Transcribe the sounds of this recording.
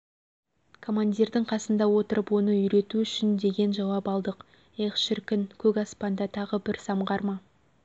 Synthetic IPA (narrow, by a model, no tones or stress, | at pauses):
kʰo̞mand̪ʲiɾd̪ɪŋqʰɑsənd̪ɑwo̞t̪əɾʔəpwo̞nəʏjɾe̞t̪uʏʃɪnd̪e̞ɡʲe̞nʒɑwɑpɑlˠd̪əq | eχʃɪɾkʲɪnkʲʰɵkɑspɑnd̪ɑt̪ʰɑʁəbɪɾsɑmʁɑɾmɑ